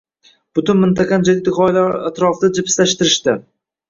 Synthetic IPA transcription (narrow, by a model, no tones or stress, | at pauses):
b̥ʊt̪ʊnmɪnt̪ʰɑqʰɑnd͡ʒaɡʲd̪ɪχɒjlaɾat̪ɾɒfɪd̪ad͡ʒɪpʰɪ̥slaʃt̪ɪɾɪʃt̪ɪ